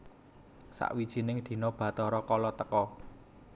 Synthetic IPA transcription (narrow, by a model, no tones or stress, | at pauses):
sa̰ʔwid̥ʒ̥i̤nɪŋd̪̥i̤nɔb̥ä̤t̪ɔɾɔkɔlɔt̪əkɔ